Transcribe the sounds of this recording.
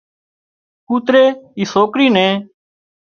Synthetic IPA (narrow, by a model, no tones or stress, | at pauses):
kuːt̪ɾeːiːsoːkɾiːnẽː